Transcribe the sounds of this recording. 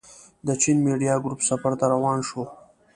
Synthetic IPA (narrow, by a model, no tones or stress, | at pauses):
d̪ət͡ʃinmeɖijɑɡɾupsafaɾt̪aɾawɑːnʃo